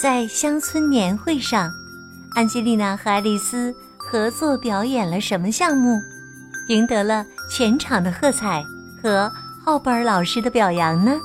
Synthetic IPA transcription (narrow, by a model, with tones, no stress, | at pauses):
t͡sa˥˩ɪɕjɑ˥ŋt͡sʰwə˥nnjɛ˧˥nxwe˥˧ɪʂɑ˥˧ŋ | a˥˧nt͡ɕi˥li˥˩na˥˩xa˧˥ɪli˨˩sɹ̩˥ | xɤ˧˥t͡swɔ˥˩pjɑ˧˥ʊjɛ˨˩nlə˦ʂə˧˥nmə˧ɕjɑ˥˧ŋmu˥˩ | i˧˥ŋt̪ɤ˧˥lə˧t͡ɕʰjɛ˧˥nʈ͡ʂʰɑ˨˩ŋd̪ə˦xɤ˥˧t͡sʰa˨˩˦ɪ | xɤ˧˥xɑ˥˩ʊpə˞˧˥lɑ˨˩ʊʂɻ̩˥d̪ə˧pjɑ˨˩ʊjɑ˧˥ŋnə˧